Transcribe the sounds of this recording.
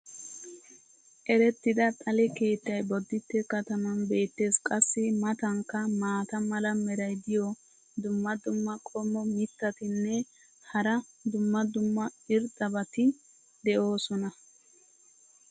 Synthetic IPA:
ʔɛɾɛt̪ːɪd̪ɐt̪ʼɐlɛke̞ːt̪ːɐjbɔd̪ːɪt̪ːɛkɐt̪ɐmɐnbe̞ːt̪ːe̞ːskʼɐsːɪmɐt̪ɐŋkːɐmaːt̪ɐmɐlɐmɛɾɐjd̪ɪjɔ | d̪ʊmːɐd̪ʊmːɐkʼɔmːɔmɪt̪ːɐt̪ɪnːɛ | hɐɾɐd̪ʊmːɐd̪ʊmːɐɪɾt̪ʼːɐbɐt̪ɪ | d̪ɛʔo̞ːsɔnɐ

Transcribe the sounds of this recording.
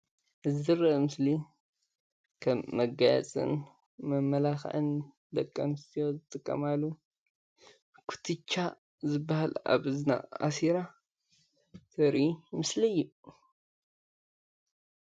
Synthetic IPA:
ʔɨzɨɾɐmɨsli | kʰɐmːɐɡaja̰t͡sʼɨ̰n | mɐmːɐlaxʕɨn | d̪ɐkʼːɐnɨst̪ʰijozɨt̪ʼɨkʼːɐ̰malːu | kʰu̥t̪ʰɨt͡ʃːa | zɨbːahala̰βɨzna̰a̰siɾa | t̪ʰɐɾʔimɨslɐjːu

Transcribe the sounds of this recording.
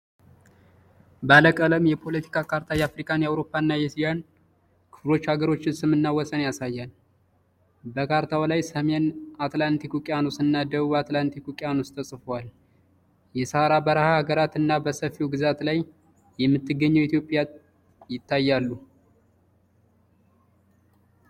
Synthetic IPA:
baləkʼələmjɛpʰo̞lət̪ʰi̥kʰʼakʰaɾt̪ʰajɛafɾikʼanjɛawɾo̞pʰʼːaɨnːajɛsijan | kʰɨ̥flo̞t͡ʃːhaɡəɾo̞t͡ʃːɪnsɨmɨnːawɔsʼənjasajːal | bəkʰaɾt̪ʰawlajsəmenat̪lant̪ʰikukʼɪjanosɨnːad̪əβuβat̪lant̪ʰikukʼjanust̪ʰəsʼfəwal | jɛsəhaɾabəɾəhahaɡəɾat̪ɨnːabəsəfiwɡɨzat̪laj | jɛmːɨt̪ːɨɡːəɲːəwit̪jo̞pʼja | jɪt̪ːajːalːu

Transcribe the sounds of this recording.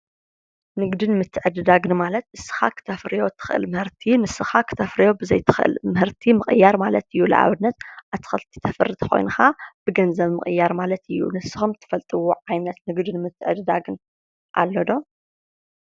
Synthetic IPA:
nɨɡd̪ɨnmɨt̪ʰːɨʕɨd̪ɨd̪aɡɨnmalɐt̪ʔɨsːɨ̥xa̰kʰɨ̥t̪ʰɐfɾɨjo̞t̪ʰɨ̥xʔɨ̰lmɨhɨɾt̪ʰinɨsːɨxakʰɨ̥t̪ʰɐfɾijo̞bɨzɐ̰jt̪ʰɨ̥xʔɨ̰lmɨhɨɾt̪ʰimɨχʼɨjːaɾmalɐt̪ɨjːulɨ̰ʕa̰βɨnːɐt̪̚ʔaβt̪ʰːɨ̥xɨlt̪ʰi̥t̪ʰɐfɨrɨt̪ʰkʰo̞̰jnɨxab̥ɨɡɐnzɐβmɨ̰χʼɨ̰jːaɾmalɐt̪ɨjːṵnɨsːɨ̥xɨmt̪ʰːɨ̥fɐlt̪ʼɨwuʕajnɐt̪nɨɡd̪ɨnmɨt̪ʰːɨʕɨd̪ɨd̪aɡɨn | ʔa̰lːɐd̪o̞

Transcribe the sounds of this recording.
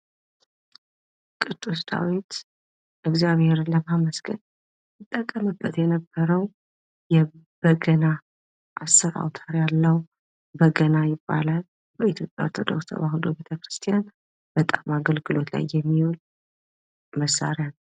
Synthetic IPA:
kʼɨd̪ʼust̪ʰa̰wit̪ | ʔɨɡzjaβhe̞ɾɨləmaməsɡən | ɨt̪ʼːəkʼːəmɨbːət̪jɛnəbːəɾəw | jɛ | b̥əɡəna | ʔasːɨɾa̰wt̪ʰaɾjalːəw | bəɡənajɪbːa̰lal | bəit̪ʰjo̞pʼjaoɾt̪ʰod̪o̞kst̪ʰə̰baɦud̪obet̪ʰəkɾɨst̪ʰijan | b̥ət̪ʼamaɡəlɡɨlo̞t̪la̰jːɛmːiwol | məsa̰ɾjanəw

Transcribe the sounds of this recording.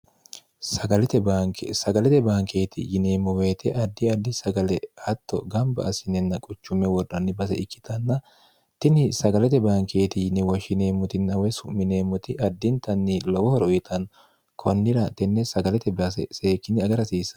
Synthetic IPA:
sɐɡɐlɛt̪ɛbaksɐɡɐlɛt̪ɛbaːŋkʰe̞ːt̪ɪ̰jɪneːmːɔwe̞ːt̪ɛʔɐd̪ːɪɐd̪ːɪsɐɡɐlɛhɐt̪ːɔ̰ɡɐmbɐ̰ʔɐsɪnɛnːɐkʼʊt͡ʃːʊmːɛwɔrːɐnːɪbɐsɛ̰ɪkːɪ̥t̪ʰɐnːɐ | t̪ɪnɪsɐɡɐlɛt̪ɛbaːŋkʰe̞ːt̪ɪjɪnːɪwɐʃɪne̞ːmːʊt̪ɪnːɐwɛsʊmːɪneːmːʊt̪ɪʔɐd̪ːɪnt̪ɐnːɪlɔwɔhɔɾɔjɪt̪ʰɐn | kʰɔnːɪɾɐnt̪ːɛnːɛsɐɡɐlɛt̪ɛbɐsɛ̰seːkːɪnːɪɐɡɐɾɐsiːsɐ̥

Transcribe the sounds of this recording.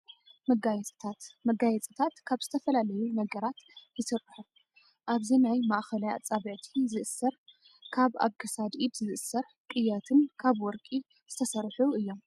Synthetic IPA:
mɐɡajɛt͡sʼɨ̥t̪ʰat̪mɐɡajɛt͡sʼɨt̪ʰat̪kʰaβz̥ɨt̪ʰɐfɐlalɐjunɐɡɐɾat̪jɨsɨrːħu | ʔaβzinajmaʔxɐlaja̰t͡sʼaβɨʕt̪ʰizɨʔɨsːɐɾ | kʰaβa̰βkʰɐsad̪id̪zɨʔɨsɐɾ | kʼɨjːat̪ʰɨnkʰaβwɔɾkʼi | z̥ɨt̪ʰɐsɐɾħuɨjːo̞m

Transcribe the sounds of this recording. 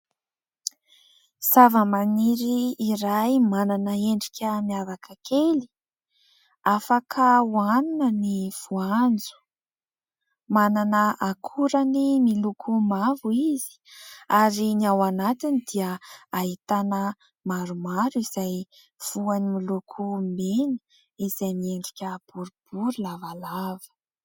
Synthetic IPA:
savəmaniɾiːɾajmananəeɳɖ͡ʐikʲəmiavakʰəkʰeli̥ | afakʰəuaninəniv̥uand͡zu̥ | mananəʔakʰuɾənimilukʰumavuizi̥aɾiniawanat̪inid̪̥iəait̪anə | maɾumaɾuiz̥aj | v̥uanimilukʰumenə̥ | iz̥ajmieɳɖ͡ʐikʲəb̥uɾub̥uɾulavalavə̥

